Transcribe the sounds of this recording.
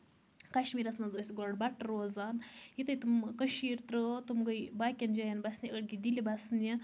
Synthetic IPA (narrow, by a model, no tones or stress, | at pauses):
kaʃmiːɾɐsnɐzəsʲiɡoɖbaʈɐɾoːzaːnjit̪əjt̪umkəʃiːɾt̪ɾət̪umɡɐjbaːkʲɐnd͡ʒajɐnbasʲniəɽɡid̪ilibasni